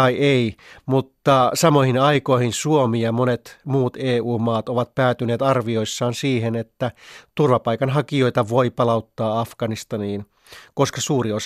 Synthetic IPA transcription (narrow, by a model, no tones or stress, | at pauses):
ɑieimut̪ːɑsɑmoihinɑikoihinsuomiɑmonet̪muːt̪eːuːmɑːt̪oʋɑt̪̚pæːt̪yneːt̪ɑrʋio̞isːɑːnsiːɦenet̪ːæt̪urʋɑpɑikɑnɦɑkio̞it̪ɑʋo̞ipɑlɑut̪ːɑːɑfɡ̥ɑnist̪ɑniːn | koskɑsuːrios